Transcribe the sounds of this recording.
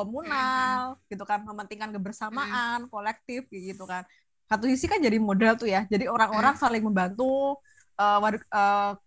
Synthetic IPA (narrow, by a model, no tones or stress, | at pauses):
komunalɡ̥it̪ukanməmənt̪iŋkankəbərsamaʔankolɛk̚t̪ɪfɡit̪ukan | kat̪usisikand͡ʒadimodɛlt̪ujad͡ʒadioɾaŋoɾaŋsalɪŋməmbant̪u | əːwadəː